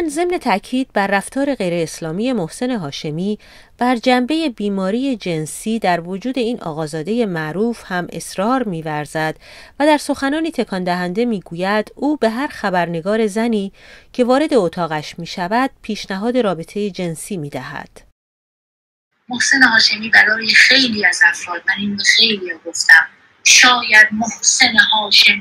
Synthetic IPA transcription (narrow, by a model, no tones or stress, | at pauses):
nze̞mne̞t̪ʰæʔcʰiːd̪̥̚bæɾːæft̪ɒːɾe̞ɣe̞jɾe̞ːslɒːmiːje̞mo̞hse̞ne̞ɦɒːʃe̞miː | b̥æɾd͡ʒæmbe̞je̞biːmɒːɾiːje̞d͡ʒe̞nsiːd̪æɾvo̞d͡ʒuːd̪e̞iːnʔɒ̰ːɣɒːzɒːd̪e̞je̞mæʔɾuːfhæmʔe̞̰sɾɒːɾmiːvæɾzæd̪væd̪æɾso̞xænɒːniːt̪ʰe̞kʰɒnd̪æɦænd̪e̞miːɡuːjæd̪̥uːbe̞ɦæɾxæbæɾne̞ɡɒːɾe̞zæniːcʰe̞vɒːɾe̞d̪e̞ot̪ʰɒːɣæʃmiːʃævæd̪̥̚pʰiːʃnæɦɒːd̪e̞ɾɒːbe̞t̪ʰe̞jed͡ʒe̞nsiːmiːd̪æhæ̰d̪̥ | mohsenehɒːʃe̞miːbæɾɒːjexe̞jliːæzæfɾɒːd̪̚mæniːnixe̞jlijɒːɡo̞ft̪æm | ʃɒːjæd̪̚mohsenehɒːʃem